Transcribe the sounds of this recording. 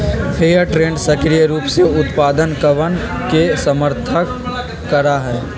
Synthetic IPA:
pʰeːəɾʈɾẽːɳɖsɐkɾijəɾuːpseʊt̪paːd̪ənkəʋən | kesəməɾt̪ʰəkː | ɐɾaɦɛː

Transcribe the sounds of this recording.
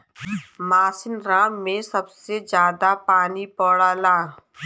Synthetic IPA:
maːsɪnɾaːmmẽsɐbsed͡ʒjaːd̪apaːnipɔːɽaːlaː

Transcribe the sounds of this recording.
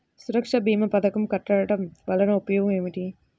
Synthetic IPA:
suɾɐkʂɐbʱiːmɐpɐd̪ɐkɐmkɐʈːɐɽɐʈɐmʋɐlɐnɐupɐjɔːɡɐmeːmiʈi

